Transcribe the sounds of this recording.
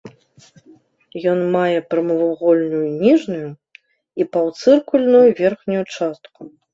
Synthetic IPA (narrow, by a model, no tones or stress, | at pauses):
jɔnmajɛpɾɐmɐvuɣɔlʲnujunʲiʐnuju | ipɐwt̪sɨrkulʲnujuvʲɛrxnʲujut͡ʂast̪ku